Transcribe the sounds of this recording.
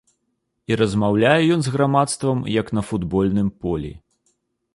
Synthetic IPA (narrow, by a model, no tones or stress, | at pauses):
iɾɐzmawlʲajɛjɔnzɣɾamat̪st̪vɐmjɐknɐfud̪bɔlʲnɨmpɔlʲḭ